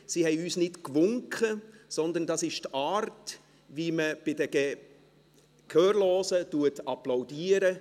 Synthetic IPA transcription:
siːhɛɪyːsnɪtkʋʊŋkχəsɔnd̪əndɑsɪʃtaːrt | viməb̥ɪdəɡ̥ɛ | kʰœːɾloːsətuətɑplaʊdiːəɾə

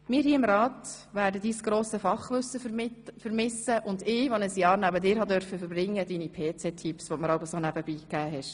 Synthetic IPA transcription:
mɪːɾɦiːɪmɾɑːtʋæːɾdədiːsɡ̥ɾoːsəfɑχʋɵsəfəɾmɪsəʔʊnd̪ɪːʋɔnəsjɑːɾnæbədɪːɾhɑdœɾfəfəɾbɾɪŋːəd̥iːnipʰeːt͡sɛtʰipsʋɔməɾɑwbəsonæb̥əbiːkæːɦɛʃ

